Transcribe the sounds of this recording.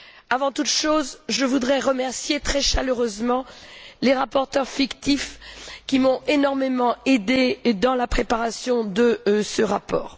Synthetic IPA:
avɑ̃t̪ut̪ʃozʒəvud̪ʁɛʁəmɛʁsjet̪χɛʃaløʁøzmɑ̃leʁapɔʁt̪œʁfikt̪ifkʲimɔ̃enɔʁmemɑ̃ed̪ed̪ɑ̃lapχepaʁasjɔ̃d̪əsəʁapɔ̰ːʁ

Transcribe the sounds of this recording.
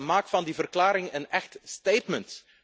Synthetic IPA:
maːkfɑndivərklaːɾɪŋənɛxtstejtmənt

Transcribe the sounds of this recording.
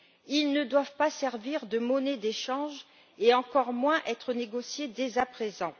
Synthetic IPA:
ilnəd̪wavpasɛʁviʁd̪əmɔned̪eʃɑ̃ʒ | eɑ̃kɔʁmwɛ̃ʔɛt̪χəneɡɔsjed̪ezapχezɑ̃

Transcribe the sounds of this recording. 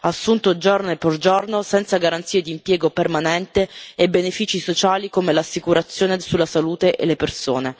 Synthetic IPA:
asːunt̪od͡ʒorneperd͡ʒornosɛnt̪saɡaɾant̪siːed̪iːmpjɛːɡopermanɛnt̪eebenefiːt͡ʃisot͡ʃaːlikomelasːikuɾat̪sːjoːnesulːasaluːt̪eʔḛlepersoːne

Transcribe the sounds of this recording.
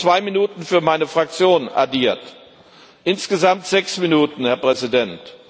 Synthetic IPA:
t͡sv̥aɪminuːtn̩fyːɐmaɪnəfʁ̥ak̚t͡sjoːna̰ɐdiːɐt | ʔɪnsɡ̥əzamtz̥ɛksminuːtn̩hɛɐpʁ̥ɛzidɛnt

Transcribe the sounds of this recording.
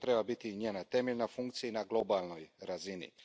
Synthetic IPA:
t̪ɾe̞babit̪iɲeːnat̪e̞meʎnafuŋkt̪sijinaɡlˠo̞balˠno̞jɾazinḭ

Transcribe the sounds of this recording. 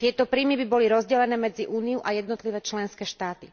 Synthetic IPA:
t̪ɪɛt̪ɔpɾiːmibibɔliɾɔzɟɛlɛnɛːmɛd͡ziʔuːnijuʔajɛd̪nɔt̪liʋɛːt͡ʃlɛnskɛːʃt̪aːt̪i

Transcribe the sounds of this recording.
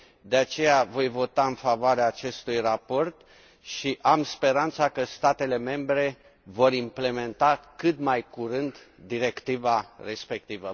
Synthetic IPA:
d̪e̞at͡ʃe̞javo̞jvo̞t̪aɨnfavoaɾeaːt͡ʃe̞st̪ujrapo̞rt̪ | ʃiʔamspe̞ɾant̪sakəst̪at̪e̞le̞me̞mbɾe̞ | vo̞ɾimple̞me̞nt̪akɨt̪majkuɾɨnd̪ | d̪iɾe̞kt̪ivare̞spe̞k̚t̪ivə

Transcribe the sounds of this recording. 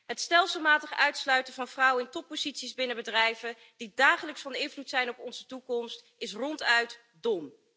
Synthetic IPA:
ɦətstɛlˠsəlˠmaːtəχəœɥtslœɥtəvɑnvrɑwəɪntɔpːozitsizbɪnəbədrɛjvə | d̥idaːχələksfɑnɪnvlutsɛjnɔpɔnzətukɔmst | ɪsrɔntœɥt | dɔm

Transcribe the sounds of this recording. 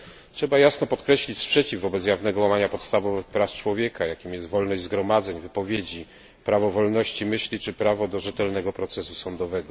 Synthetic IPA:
tʂɛbajasnɔpɔt̪kɾɛɕlʲit͡ɕspʂɛt͡ɕivːɔbɛtsjavnɛɡɔwamaɲapɔt̪st̪avɔvɘxpɾaft͡ʂwɔvʲjekajakʲimjɛst̪vɔlnɔʑd͡ʑʲzɡɾɔmad̪zɛɲvɘpɔvʲjed͡ʑi | pɾavɔvɔlnɔɕt͡ɕimɘɕlʲit͡ʂɘpɾavɔd̪ɔʐɛt̪ɛlnɛɡɔpɾɔt̪sɛsusɔnd̪ɔvɛɡɔ

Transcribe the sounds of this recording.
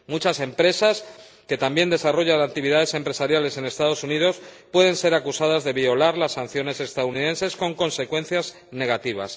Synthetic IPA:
mut͡ʃase̞mpɾe̞sas | ke̞t̪ambje̞nd̪e̞saro̞ʝanak̚t̪iβiðaðe̞se̞mpɾe̞saɾjale̞se̞ne̞st̪aðo̞suniðo̞spwe̞ðẽ̞nse̞ɾakusaðazðe̞βio̞laɾlasːan̟θjo̞ne̞se̞st̪aðuniðe̞nse̞sko̞ŋko̞nse̞kwẽ̞n̟θjaz | ne̞ɣat̪iβ̞a̰s

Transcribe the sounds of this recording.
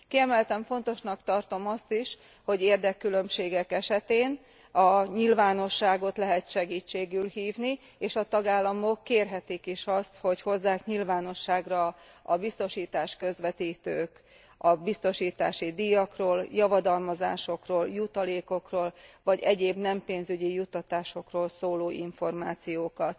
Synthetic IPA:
kiɛmɛlt̪ɛɱfo̞n̪t̪o̞ʃnɒkt̪ɒrt̪o̞mɒst̪iʃ | ho̞ɟeːrd̪ɛkːylømʃeːɡɛkɛʃɛt̪eːn | ɒɲilvaːno̞ʃːaːɡo̞t̪lɛɦɛt̪ʃɛɡiːt͡ʃːeːɡylhiːvni | eːʃɒt̪ɒɡaːlːɒmo̞kːeːrɦɛt̪ikiʃɒst̪ho̞cho̞zːaːkɲilvaːno̞ʃːaːɡrɒ | ɒbist̪o̞ʃiːt̪aːʃkø̞zʋɛt̪iːt̪øːk | ɒbist̪o̞ʃiːt̪a̰ːʃid̪ijɒkroːljɒvɒd̪ɒlmɒza̰ːʃo̞kroːljut̪ɒleːko̞kroːlvɒɟɛɟeːbnɛmpeːnzyɟijut̪ːɒt̪aːʃo̞kroːlsoːloːʔiɱfo̞rmaːt̪sijoːkɒt̪

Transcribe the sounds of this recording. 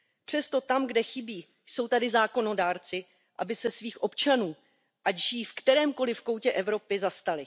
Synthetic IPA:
pr̥ɛst̪o̞t̪amɡdɛxɪbiː | jso̞wt̪adɪzaːko̞no̞daːɾt͡sɪ | ʔa̰bɪsɛsviːxʔo̞pt͡ʃanuː | ʔacʒiːfkt̪ɛɾɛːmko̞lɪfko̞wcɛʔɛvɾo̞pɪzast̪alɪ

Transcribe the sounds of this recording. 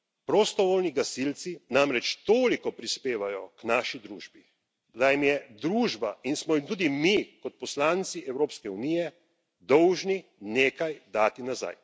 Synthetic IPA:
pɾɔst̪ɔʋoːlniɡasilt̪sinamɾɛt͡ʃt̪oːlikɔpɾispeːʋajɔknaːʃid̪ɾuːʒbi | d̪ajimjɛd̪ɾuːʒbainsmɔjimt̪uːd̪imikɔt̪̚pɔslaːnt̪siʔɛwɾoːpskɛunijɛ | d̪ɔwʒnineːkajd̪aːt̪inaza̰j

